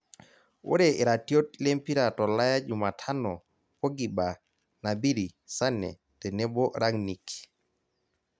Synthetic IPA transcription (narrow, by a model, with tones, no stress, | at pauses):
wo̰˦ɾe˨i˨ɾa˨tjo˦t̚le˦mpi˦ɾa˨tɔ˨la˦ja˦d͡ʒu˨ma˨tʰa˦nɔ˨ | ko˦ɡi˨ba˨ | na˨bi˦ɾi˨sa˦nɛ̰˨ | tɛ˨ne˦bo˦ɾa˦ŋni˨k